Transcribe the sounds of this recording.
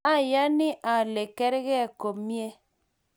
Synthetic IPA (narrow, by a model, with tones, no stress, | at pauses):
a˦ja˦ni˦ʔa˨le˨kɛ˦ɾɣɛ˦a˨ko˨pmje˦